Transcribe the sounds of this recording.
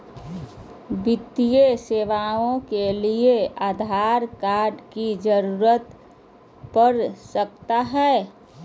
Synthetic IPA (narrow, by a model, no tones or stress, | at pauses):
bɪt̪ijeseːʋaõkelieaːd̪ʱaːɾkaːɾɖkid͡ʒəɾuːɾət̪ | pəɾsək̚t̪aɦɛː